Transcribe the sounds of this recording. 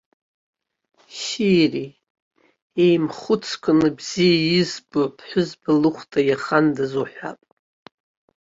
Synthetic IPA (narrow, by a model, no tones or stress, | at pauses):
ʃiri | ejmχʊt͡sʰkʷʰɨnɨbzijajɪzboʕpʰʼħʷʊzbɨlɨχʷtʰʼajaχandazoħᶣʷa̰pʼ